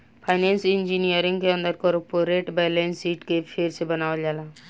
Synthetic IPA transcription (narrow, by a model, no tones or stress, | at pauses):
pʰaːɪneːnsɪ̃nd͡ʒinijəɾɪ̃ŋɡkeə̃nd̪əɾkɔɾpoɾeːʈbɛːlẽnsiːʈkepʰɪɾsebənaːʋəld͡ʒaːlaː